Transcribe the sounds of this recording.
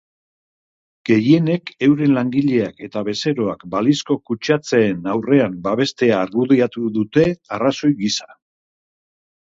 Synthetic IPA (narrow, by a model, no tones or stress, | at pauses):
ɡ̥e̞jie̞ne̞ke̞wɾe̞nlaŋɡiʎe̞ake̞t̪aβ̞e̞se̞ɾo̞akbalisko̞kut͡ʃat͡se̞ːnawre̞ambaβ̞e̞st̪e̞aːɾɣuðeat̪uðut̪e̞araso̞jɡisḁ